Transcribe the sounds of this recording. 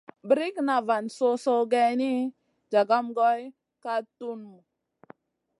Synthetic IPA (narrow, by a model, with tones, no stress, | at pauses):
bə˨ɾi˦kna˨va˨nso˦so˦ɡe˦ni˦ | d͡ʒa˨ɡa˦mɡo˦j | ka˦tu˦nmu˨